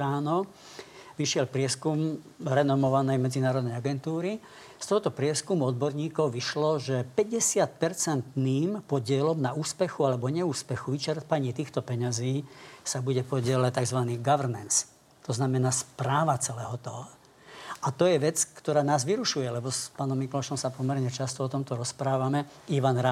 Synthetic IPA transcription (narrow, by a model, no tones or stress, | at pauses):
aːnɔ | ʋiʃɪɛlpɾɪɛskum | ɾɛnɔmɔʋanɛjmɛd͡zinaːɾɔd̪nɛjaɡɛnt̪uːɾi | st̪ɔɦɔt̪ɔpɾɪɛskumuɔd̪̚bɔɾɲiːkɔʊʋiʃlɔʒɛpɛɟɛsɪat̪̚pɛɾt͡sɛnt̪niːmpɔɟɪɛlɔmnauːspɛxualɛbɔɲɛuːspɛxuʋit͡ʃɛɾt̪paɲɪɛt̪iːxt̪ɔpɛɲaziːsabuɟɛpɔɟɪɛlact̪aɡzʋaniːɡaʋɛɾnɛns | t̪ɔznamɛnaːspɾaːʋat͡sɛlɛːɦɔt̪ɔɦɔ | at̪ɔjɛʋɛt͡skt̪ɔɾaːnaːzʋiɾuʃujɛlɛbɔspaːnɔmːiklɔʃɔmsapɔmɛɾɲɛt͡ʃast̪ɔɔt̪ɔmt̪ɔɾɔspɾaːʋamɛ | iʋanɾa